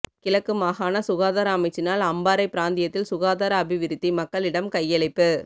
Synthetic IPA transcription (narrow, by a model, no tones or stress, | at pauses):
kɪlɐkːɯmaːɣaːnɐsʊɣaːðaːɾɐːmɐɪt͡ʃːɪnaːlɐmbaːɾɐɪpːɪɾaːnd̪ɪjɐt̪ːɪlsʊɣaːðaːɾɐːbɪʋɪɾɪt̪ːimɐkːɐɭɪɽɐmkɐjːɐɭɐɪpːɯ